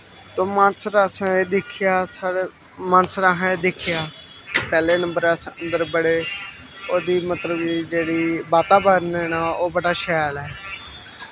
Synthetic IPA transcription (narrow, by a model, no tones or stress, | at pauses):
t̪oːmaːnəsɾəsãːeːd̪ɪkʰɪjaːsa | maːnəsɾaːɦãeːd̪ɪkʰɪjaː | pɛːleːnə̃mbəɾasənd̪əɾbəɽeː | oːd̪iːmət̪ləbiːd͡ʒeːɽiːbaːt̪aːbəɾneːnaːoːbəɽaːʃɛːlɛː